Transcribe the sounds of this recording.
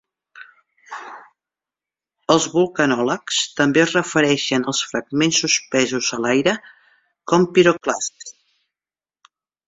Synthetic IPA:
əlˠzβulˠkənɔləkst̪əmbeəzrəfəɾɛʃənəlˠsfɾəɡ̚mensːuspɛzuzəlajɾə | kɔmpiɾoklast̪

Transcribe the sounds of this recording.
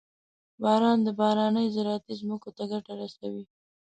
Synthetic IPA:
bɑɾɑnd̪əbɑɾɑnəjzɪɾɑat̪izməkot̪aɡaʈaɾasawi

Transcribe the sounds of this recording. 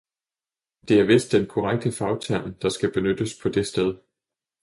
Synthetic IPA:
d̥e̝æɐʋe̝sd̥enkʰɒʁaɡ̥̚d̥əfɑ̈ʊt͡sʰæɐ̰nd̥ɑ̈sɡ̥æb̥e̝nød̥əspʰɒ̽d̥e̝sd̥eð̞ˠ

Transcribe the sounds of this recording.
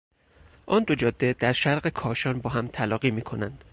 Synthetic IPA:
ʔɒːnd̪od͡ʒɒːd̪ːe̞d̪̥æɾʃæɾɢekʰɒːʃɒːnbɒːɦæmt̪ʰælɒːɢiːmiːkʰo̞nænd̪̥

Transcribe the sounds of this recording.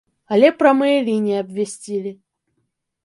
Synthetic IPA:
ɐlʲepɾɐmɨjəlʲinʲɪjəɐbvʲɪsʲtʲilʲɪ

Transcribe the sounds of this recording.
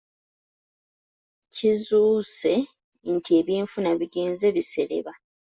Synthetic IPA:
cizuːse̞ | n̩tʰie̞βiːɱfunaβiɡeːnze̞βise̞ɾe̞̰βa

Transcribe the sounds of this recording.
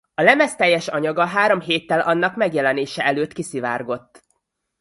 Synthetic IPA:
ɒlɛmɛst̪ɛjːɛʃɒɲɒɡɒɦaːɾo̞mɦeːt̪ːɛlʔɒnːɒkmɛɡjɛlɛneːʃɛʔɛløːt̪kisiva̰ːrɡo̞t̪ː

